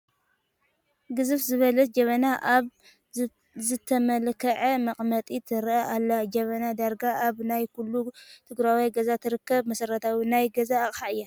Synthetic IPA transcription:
ɡɨzɨfzɨβɐlɐt̪̚d͡ʒɐmɐnaʔaβ | zɨt̪ʰɐmɐlkʰɐʕɐmɐqʼmɐt̪ʼit̪ʰɨɾʔɐʔalːad͡ʒɐmɐnad̪aɾɡaʔaβnajkulːut̪ʰɨɡɾawijɡɐzat̪ʰɨɾɨkːɐβmɐsɐɾɐt̪ʰawinajɡɐzaːχʼxaɨjːa

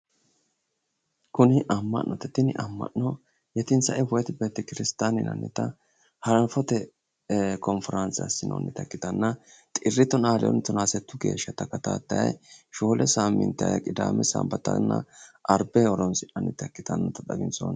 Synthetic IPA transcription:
kʊnɪʔɐmːɐ̰nːɔt̪ɛt̪ɪnɪʔɐmːɐ̰ʔɔ | jɛt̪ɪnsɐʔɛwʊjɛt̪ɪbeːt̪ːɛkɪɾɪst̪aːnɪnɐ̰nːɪt̪ɐ | hɐɾɐfɔt̪ɛ | kɔnfɛɾɐnt͡sɐ̰sɪno̰ːnːɪt̪ɐkːɪt̪ɐnːɐt̪ʼɪrːɪt̪ɔnaːlɛ̰ɔ̰nt̪ʊnaːsɛt̪ːʊɡe̞̰ːʃːɐt̪ɐkɐt̪a̰ːt̪ːɐjɐ̰jʃo̞ːlʔɛsamːɪ̰nt̪ɐjɐ̰kʼɪd̪a̰ːmɛsɐ̰mbɐt̪ːɐnːɐ̰ʔɐɾbɛɔɾɔnsɪʔɐnːɪt̪ɐkːɪt̪ɐnːɔt̪ɐd̪ɐɡɪnsɔ̰n

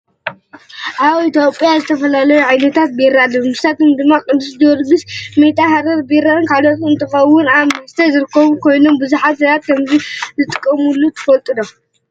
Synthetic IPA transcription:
ʔaβit̪ʰjopʼjazɨt̪ʰɐfɐlalɐjuʕajnɐt̪ʰat̪̚beɾad̪ɨmɨst̪at̪omd̪ɨmːakʼɨd̪usd̪ɐɐɾɡɨsmet̪ʼaɦaɾɐɾbeɾaɨnkʰalot̪ɨnt̪ʰɐxɐwːʊnaɨst̪ʰɐzɨɾɨkʰːɐβukʰo̞jnombɨzuħat̪zɐβat̪̚kʰɐmzizɨt̪ʼɨkʼːɐmulːut̪ʰɐ̥fɐlt̪ʼɨd̪o

